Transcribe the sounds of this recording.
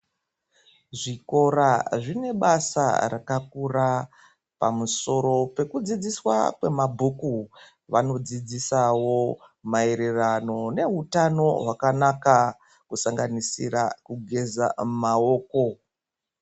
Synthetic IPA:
ʐiko̞raʐine̞ɓasa̰rakak̚ura | pa̰muso̞ɾo̞pe̞kud͡zid͡ziswa̰kwe̞mabʱuku | ʋano̞d͡zid͡zisawo̞ | mae̞ɾe̞rano̞ne̞utano̞ɦwakanaka | kusaŋɡanisḭrakuɡʱe̞za̰maoːko̞

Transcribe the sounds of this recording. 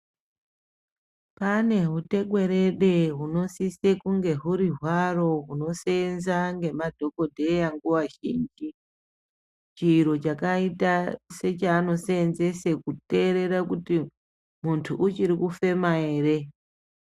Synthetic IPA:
pane̞ɦute̞ɡwe̞ɾe̞ɗeɦuno̞sisekuŋɡe̞ɦuɾiɦwaro̞ɦuno̞senzaŋɡe̞madʱo̞ko̞dʱe̞jaŋɡuwaʒḭːnd͡ʒi | t͡ʃiːɾo̞t͡ʃakaitase̞t͡ʃaːno̞senze̞sekute̞ɾe̞ɾakuti | muntʰuʔut͡ʃiɾikufe̞maeːre̞

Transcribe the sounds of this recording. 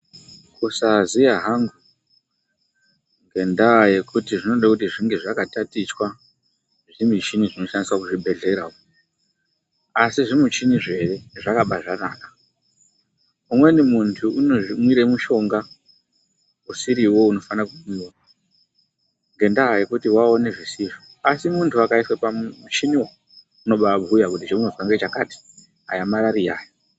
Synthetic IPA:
kusazijaɦaŋɡu | ŋɡe̞ndaːjekutiʐino̞ɗakutiʐiŋɡe̞ʐakatatit͡ʃwa | ʐimit͡ʃiniʐino̞ʃaniswakuʐibʱe̞ɮe̞ɾawo | asiʐimut͡ʃiniʐe̞re̞ʐakaɓaʐanaːkḁ | umwe̞nimuntʰuunomwiɾe̞muʃo̞ŋɡa | usiɾiwo̞uno̞fanakukumuna | ŋɡe̞ndaɦaje̞kutiwao̞ne̞ʐisiʐi | asimuntʰuakaiswepaut͡ʃiniwo | uno̞ɓabʱujakut̬it͡ʃouŋevaŋɡet͡ʃakati̥ | ɦa̰jamaɾarijaːja

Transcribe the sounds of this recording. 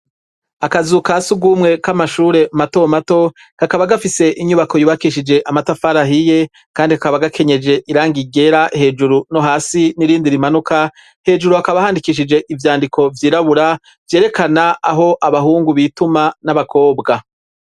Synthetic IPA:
akazukasuɡuːmŋe̞kamaʃuːɾe̞umato̞mato̞ | kakaβaɡafise̞ʔiɲuβako̞juβakiʃid͡ʒe̞ʔamatafaɾaɦije | kaːndihakaβaɡakʰe̞ɲe̞d͡ʒe̞ʔiɾaːŋɡiɡe̞ɾahe̞ːd͡ʒuɾuno̞ɦaːsiniɾiːndiɾimanuka | he̞ːd͡ʒuɾuakaβahaːndikiːʃ̬id͡ʒe̞ʔivjaːndikʰo̞vjiːɾaβuɾa | vje̞ːɾe̞kanaaɦo̞ʔaβaɦuːŋɡuβitumanaβakʰo̞ːbɡa

